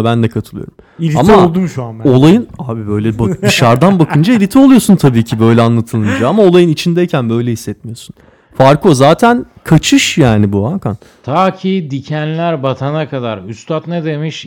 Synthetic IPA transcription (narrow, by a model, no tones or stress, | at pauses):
bænd̪ɛkʰat̪ʰɯlˠɯ̰jo̞̰ɾum | iliamaolˠd̪umʃuao̞lˠajɯnaːbibø̞jlʲɛbaiʃaɾd̪anbakʰɯnd͡ʒailʲit̪ʰɛo̞lˠujo̞sunt̪ʰabiːcʰibø̞jlʲɛanlˠat̪ʰɯlˠɯnd͡ʒaamao̞lˠajɯnit͡ʃʰind̪ɛjcʰænbø̞jlʲɛɦisːɛt̪mijo̞sun | faɾko̞zaːt̪ʰæn | kʰat͡ʃʰɯʃjaːnibuakan | t̪ʰaːcʰiːd̪icʰænlʲæɾbat̪ʰanakʰad̪aɾyst̪ʰat̪ned̪emiʃ